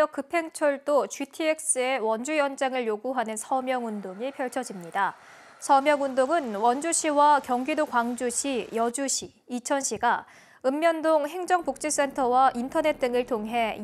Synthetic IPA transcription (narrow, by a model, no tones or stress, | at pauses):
ʌk͈ɯpʰe̞ŋt͡ɕʰʌɭd͈ot͡ɕitʰie̞k̚s͈ɯe̞wʌnd͡ʑujʌnd͡ʑaŋɯɭjoɡuɦanɯnsʰʌmjʌŋundoŋipʰjʌɭt͡ɕʰʌd͡ʑimɲida | sʰʌmjʌŋundoŋɯnwʌnd͡ʑuɕʰiwakjʌŋɡidokwaŋd͡ʑuɕʰijʌd͡ʑuɕʰiːt͡ɕʰʌnɕʰiɡa | ɯmːjʌndoŋɦe̞ŋd͡ʑʌŋpuk̚t͡ɕ͈is͈e̞ntʰʌwaʔintʰʌne̞t̚t͈ɯŋɯɭtʰoŋɦe̞